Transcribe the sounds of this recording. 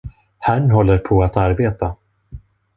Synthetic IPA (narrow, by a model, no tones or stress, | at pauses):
hæɳɦɔlːəɾpʰɔat̪aɾbeːt̪a